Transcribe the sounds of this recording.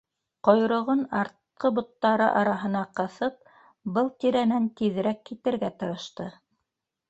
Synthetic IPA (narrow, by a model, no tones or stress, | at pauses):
qŏjɾŏʁonɑɾt̪̚qɤbŏt̪ːɑɾɤʔɑɾɑɦɤ̆nɑqɤ̆θɤp̚ | bɤlˠt̪iɾænænt̪iðɾækːit̪ɘ̆ɾɡæt̪ɤ̆ɾɤ̆ʃt̪ɤ